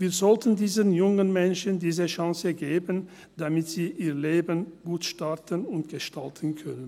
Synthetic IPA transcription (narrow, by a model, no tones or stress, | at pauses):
viːɐzɔltʰən̩diːzənjʊŋənmɛnʃəndiːzəʃãŋsəɡeːbən | d̥amɪtz̥iːʔiːʁleːbənɡ̥uːtʃtaʁtənʊntɡ̥əʃtaltʰən̩kʰœnən